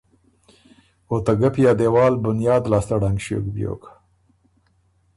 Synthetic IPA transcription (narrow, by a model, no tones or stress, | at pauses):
ot̪aɡapjɑːd̪ewɑːlbʊnjɑːd̪lɑːst̪aɽaŋɡʃo̰ɡbjo̰k